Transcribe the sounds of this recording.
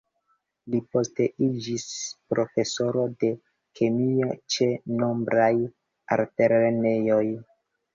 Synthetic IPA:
lipo̞ste̞ʔid͡ʒispɾo̞fe̞so̞ɾo̞de̞ | kʰe̞miat͡ʃe̞no̞mbɾaj | a̰ɾte̞ɾene̞jo̞j

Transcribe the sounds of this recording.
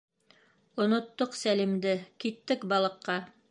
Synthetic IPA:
ŏnŏt̪ːoqsælimd̪ɘkit̪ːɘkbɑlˠɤ̆qːɑ

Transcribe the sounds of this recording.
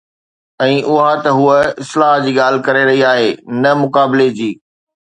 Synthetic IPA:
ɛ̃ːʔʊɦat̪ɐɦuəɪslaːɦd͡ʑiːɠaːl̤ɪ̆kɐɾeɾɐɦiaːɦeːnɐmʊkaːbɪled͡ʑiː

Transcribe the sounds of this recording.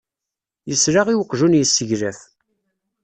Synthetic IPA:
jəsɾaʁiwəqːʒunjəsːəʝɾæθ

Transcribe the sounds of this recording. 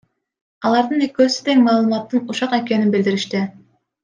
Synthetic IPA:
ɑlˠɑɾd̪ɯnekøsy̥t̪eŋmɑːlˠɯmɑt̪ːɯnuʃɑqe̞ke̞ninbild̪iɾiʃt̪i

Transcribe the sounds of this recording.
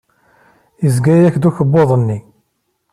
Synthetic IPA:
jəzɡæjæçd̪uçəbːoðˤənːi

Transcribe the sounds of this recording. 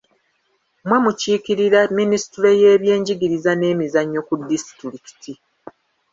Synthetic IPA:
mwe̞muciːkiɾiɾaminisi̥tuɾe̞je̞ːβje̞ːɲɟiɡiɾizane̞ːmizaɲːo̞kudːisi̥tɾiki̥ti

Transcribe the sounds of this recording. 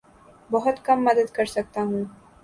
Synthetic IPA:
bɔɦʊt̪kɐmːɐd̪əd̪kəɾsɐk̚t̪aɦũː

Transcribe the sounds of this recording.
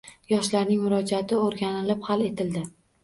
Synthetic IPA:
jɒʃlaɾnɪŋmʊɾɒd͡ʒat̪ʰɪoɾɡʲanɪlɪphale̞t̪ʰɪld̪ɪ

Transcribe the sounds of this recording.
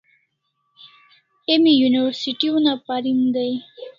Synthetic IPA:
emijuniwaɾsiʈiunapaɾimd̪aj

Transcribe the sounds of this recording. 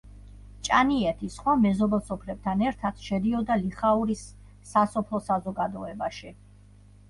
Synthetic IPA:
t͡ʃʼaniɛt̪ʰisχwamɛzɔbɛlˠsɔpʰɾɛb̚t̪ʰanɛɾt̪ʰat̪ʰʃɛd̪iɔd̪aliχauɾisː | asɔpʰlˠɔsazɔɡad̪ɔɛbaʃi

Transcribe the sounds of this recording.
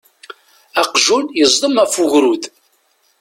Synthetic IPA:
æqʒunjəzˤlˤəmæfʊʝɾud̪

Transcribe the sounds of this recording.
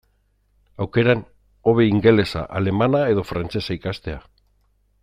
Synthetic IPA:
awke̞ɾan | o̞βe̞iŋɡe̞le̞sa̰ʔale̞manae̞ðo̞fɾant͡se̞saikast̪e̞a

